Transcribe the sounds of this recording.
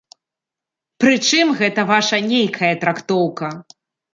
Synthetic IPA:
pɾɨt͡ʂɨmɣɛt̪ɐvaʂɐnʲejkʰɐjɐt̪ɾakt̪ɔwkɐ

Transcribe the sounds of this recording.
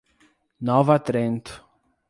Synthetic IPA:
nɔvɐt̪ɾẽnt̪

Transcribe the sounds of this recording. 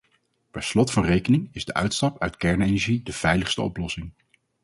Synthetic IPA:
pɛɹslɔtfɑnrejkənɪŋɪzdəʔœ̰ɥtstɑpœɥtkɛɹnejnɛɹʒidəv̥ɛjləχstə̰ɔ̰plɔsɪŋ

